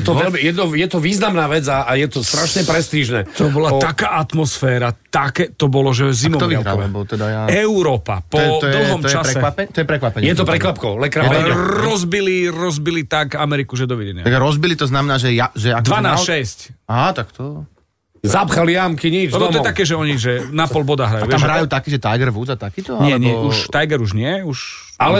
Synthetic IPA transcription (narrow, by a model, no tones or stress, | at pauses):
jɛt̪ɔʋɛlmijɛd̪nɔjɛt̪ɔʋiːznamnaːʋɛd͡zaajɛt̪ɔst̪ɾaʃɲɛpɾɛst̪iʒnɛ̰ːt̪ɔbɔlat̪akaːʔat̪mɔsfɛːɾat̪akɛt̪ɔbɔlɔʒɛzimɔɔʋiɾɔɛbɔt̪ɛd̪ajaɛʊɾɔːpa̰pɔɛt̪ɔd̪l̩ˠɦɔmɔt͡ʃasɾɛɛʋapɛt̪ɔjɛpɾɛkʋapɛɲjɛt̪̬ɔpɾɛkʋapkɔʊlɛkɾaɛɾɔzbiliɾɔzbilit̪akamɛɾikuʒɛd̪ɔʋɛɟɛɲɪat̪aɡɾɔzbilit̪ɔznamɛnaːʒɛjaʒɛakd̪ʋanaːsʃɛscat̪akt̪ɔ | zapxalijamkiɲid͡ʒlɛbɔɔɛt̪akɛːʒɛɔɲiʒɛnapɔlbɔd̪aɦɾajuaːamɦɾajuːt̪akiːʒɛt̪ajɡɛɾʋuːd͡zat̪akiːt̪ɔaɲɪɛɲɛuʃajɡɛɾuʒɲɪɛuʃ | alɛ